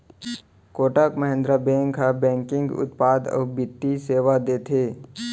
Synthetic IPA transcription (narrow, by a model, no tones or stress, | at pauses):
koːʈakməɦẽnd̪ɾabẽːŋɡɦabɛ̃ːŋkɪ̃ŋɡʊ̰t̪paːd̪ɔ̰ːbɪt̪ːiseːʋad̪eːt̪ʰeː